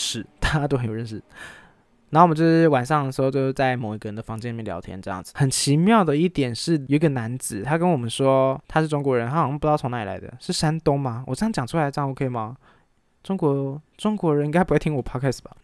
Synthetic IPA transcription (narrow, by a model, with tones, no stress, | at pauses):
ʂɻ̩˥˩t̪a˥˩t͡ɕa˧˥to˥ʊxə˧˥jo˨˩˧ɻə˥˧nʂɻ̩˥˩ | na˧xo˥˩˨t͡ɕo˥˧˩ʂ̩˥˩wa˨˩nʂɑ˥˩ŋd̪ə˩ʂɻ̩˧xo˥˧ʊt͡ɕjo˥˧ʊt͡sa˥˩ɪmo˨˩i˧˥ɡə˧˩ə˧nd̪ə˧fɑ˧˥ŋt͡ɕɛ˥n˨˩˥ljɑ̰˧˥t̪ʰjɛ̰˧˥nʈ͡ʂɤ˥˧jɑ̰˥˩ŋd͡zɹ̩˩xə˨˩nt͡ɕʰi˧˥mjɑ˥˩ʊd̪ə˩i˥˩t̪jɛ˨˩nʂɻ̩˥˩ji˧˥ɡə˧˩na˧˥nt͡sɹ̩˨˦t̪ʰa˥kə˥nwɔ˨˩mə˦nʂwɔ˥t̪ʰa˥ʂɻ̩˥˩ʈ͡ʂʊ˥ŋkwɔ˧˥ɻə˧˦nt̪ʰa˥ɑ˧˥pt̪ɑ˥˩˧ŋna˥˩i˨la̰˧˥ɪd̪ə̰˧ʂɻ̩˥˩ʂa˥nt̪ʊ˥ŋma˨wʔɔ˨˩ʈ͡ʂt͡ɕjɑ˨ŋʈ͡ʂʰu˥a˧ɪ˥ʈ͡ʂo˥˩kʰe˥˨˧mɑ˨˩ | ʈ͡ʂʊ˥ŋkwɔ˧˦˥ʈ͡ʂʊ˥ŋkwɔ˧˥ɻə˧ni˥ŋka˥ɪpwt̪ʰi˥ŋwɔ˨˩pʰɑ˥kʰɛ˥˩sba˩